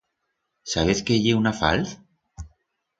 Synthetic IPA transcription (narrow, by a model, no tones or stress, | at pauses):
saβeskejeunafa̰lt